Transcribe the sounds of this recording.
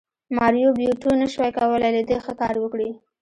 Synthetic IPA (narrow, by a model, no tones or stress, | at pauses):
mɑɾjobjuʈonəʃwajkawəlajləd̪exəkɑɾwəkɽi